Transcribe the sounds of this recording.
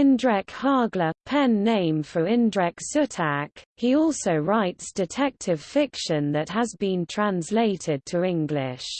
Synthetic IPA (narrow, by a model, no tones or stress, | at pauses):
ɪ̃ndɹɛkhɑːɡləpʰɛ̃nːẽɪ̃ɱfəɹɪ̃ndɹɛksʉtʰakhiɔˑlˠsəʊɹaɪtsd̥ɪtʰɛk̚tʰɪv̥fɪkʃə̃nðəʔhəzbĩntʰɹ̥ãnsleɪtʰɪd̚tʰəɪ̃ŋɡlɪ̰ʃ